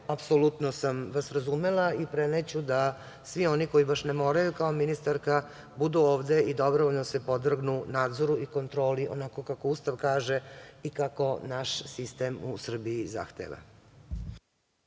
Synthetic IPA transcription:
apsolˠut̪nosamʋasɾazumelˠaipɾenet͡ɕud̪a | sʋio̞niko̞jibaʃnemo̞ːɾajukao̞minist̪aɾka | bud̪uoːʋd̪e̞id̪o̞bɾooʎnosepo̞d̪r̩ɡnunaːd̪zoɾuiko̞nt̪ɾo̞ːliʔo̰nako̞kako̞ust̪aʋkaːʒe̞ikako̞naʃsist̪e̞musr̩biiza̰xt̪ḛʋa̰

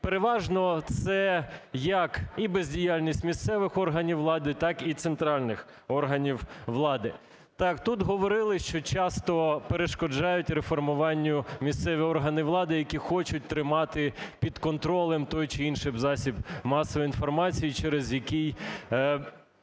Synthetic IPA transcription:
peɾeʋɑʒnɔt̪sɛjɐkibezʲdʲijalʲnʲisʲtʲmʲist̪sɛʋɪxɔrɦɐnʲiwːlˠɑd̪ɪt̪ɑkit̪sent̪ɾɑlʲnɪx | ɔrɦɐnʲiwʋlˠɑd̪ɪ | t̪ɑkt̪ut̪ɦɔʋɔɾɪlˠɪʃt͡ʃɔt͡ʃɑst̪ɔpeɾeʃkɔd͡ʒɑjʊtʲɾefɔrmʊʋɑnʲːʊmʲist̪sɛʋʲiɔrɦɐnɪʋlˠɑd̪ɪjɐkʲixɔt͡ʃʊt̚ʲt̪ɾɪmɑt̪ɪpʲid̪kɔnt̪ɾɔlˠɛmt̪ɔjt͡ʃɪinʃɪbzɑsʲibmɑsɔʋɔinfɔrmɑt͡sʲijit͡ʃɛɾezjɐkʲij

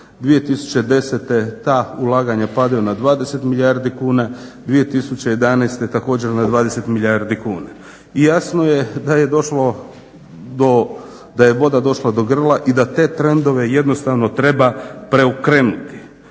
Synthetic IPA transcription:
d̪ʋije̞t̪isu̥t͡ɕe̞d̪e̞set̪e̞t̪aːulˠaːɡaɲapad̪ajunad̪ʋaːd̪e̞se̞t̪milʎʲjaɾd̪ikuːnad̪ʋije̞t̪isut͡ɕeje̞d̪anajst̪e̞t̪ako̞ːd͡ʑe̞ɾnad̪ʋaːd̪ese̞t̪milʎʲjaɾd̪ikuːna | ijasno̞je̞d̪aje̞d̪o̞ʃlo | d̪o | d̪ajeʋo̞d̪ad̪o̞ʃlˠad̪o̞ɡr̩lˠaʔid̪at̪e̞t̪ɾe̞nd̪o̞ʋe̞je̞d̪no̞st̪aːʋno̞t̪ɾe̞bapɾe̞ukɾenut̪i̥

